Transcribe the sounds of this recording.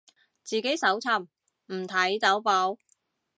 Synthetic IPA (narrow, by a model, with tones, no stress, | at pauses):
t͡siː˨ke˨˥jsɐ˨˥wt͡sʰɐ˧m | m̩˨˩t̪ʰɐ˨˥jt͡sɐ˨˥wpɔ˨˥w